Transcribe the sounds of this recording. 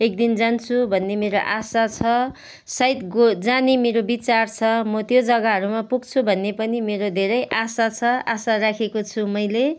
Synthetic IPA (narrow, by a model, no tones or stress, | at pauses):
ek̚d̪ind͡zant͡sʰubʱʌnːemeɾoʔasat͡sʰʌ | sʌjt̪ɡod͡zanimeɾobit͡sart͡sʰʌmʌt̪jod͡zʌɡaɦʌɾumapuɡt͡sʰubʱʌnːepʌnimeɾod̪ʱeɾʌjʔasat͡sʰʌasarakʰekot͡sʰumʌjle